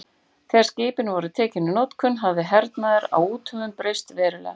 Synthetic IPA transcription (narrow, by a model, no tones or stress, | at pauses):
θɛɾ̥scɪːpɪnvɔɾʏt̪ʰɛːcɪnːʏnowt̪kʰʏnɦavðɪɦɛɾt̪naðɪɾa̰wuːt̪ʰœɣʏmpɾejst̪vɛːɾʏlɛ̰ɣa